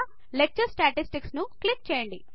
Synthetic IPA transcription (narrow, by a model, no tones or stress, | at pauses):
lek̚t͡ʃɐɾsʈaːʈisʈiksnuklik̚t͡ʃɛeːjɐɳɖi